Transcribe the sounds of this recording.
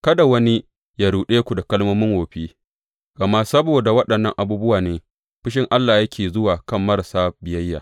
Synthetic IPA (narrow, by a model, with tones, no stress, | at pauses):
kɐ˦da˨wɐ˦ni˦ | jaː˨ɽuː˨ɗeː˦kʷu˨da˨kɐ˦lmoː˦mɪ˦ŋwoː˨ɸiː˦ | ɡ̥ɐ˨ma˦sɐ˦boː˨da˨wɐ˦ɗɐ˨nːɐ˦ŋʔa˨buː˦bʊ˦waː˨neː˨ | ɸɪ˦ʃ̬ɪ˦ŋʔa˦lːaː˨jɐ˦kʲeː˨zʊ˦waː˨kɐ˦˨mːɐ˦ɾa˨saː˦bɪ˨jɐ˦jːa̰˨